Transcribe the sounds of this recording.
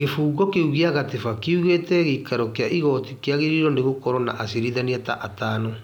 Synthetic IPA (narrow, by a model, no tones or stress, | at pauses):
ɣefuːɡɔkeuɣiaɣatefakeuɣeːtɛɣeikaɾɔkeaʔiɣɔtikeaɣeɾiɾɔndeɣokɔɾɔna̰ʔasiɾiðaniata̰ʔataːno